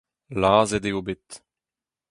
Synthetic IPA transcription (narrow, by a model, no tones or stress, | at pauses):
laːzɛdeobɪt